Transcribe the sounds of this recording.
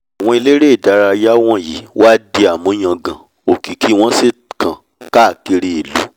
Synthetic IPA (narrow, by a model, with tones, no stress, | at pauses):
a˨w̃ɔ̃˧i˧le˦ɾe˦˨da˨˧˦ɾa˧ja˦w̃ɔ̃˦˨ji˨˦wa˦di˧a˨mũ˨˦j̃ã˧ɡã˨ | o˨ki˨ki˨˦w̃ɔ̃˦se˦˨kã˨ | ka˦˨ke˧ɾe˧˨e˨lu˨˦